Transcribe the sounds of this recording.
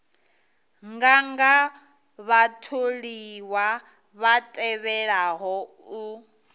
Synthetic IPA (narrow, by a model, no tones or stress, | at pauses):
ŋɡaŋɡa | βatʰoɺiwa | βatʼɛβɛɺaɦɔ | u